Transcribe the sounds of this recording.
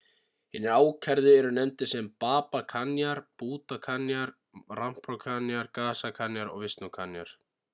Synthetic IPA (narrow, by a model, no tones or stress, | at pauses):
hɪnɪɾaːwcʰɛɾðɪɛɾʏnɛmt̪ɪsɛmpaːpakʰanjaɾ̥puːt̪akʰanjaɾ | ram̥pɾawkʰanjaɾkaːsakʰanjaɾɔ̰ɣvɪst̪nʏkʰanja̰ɾ̥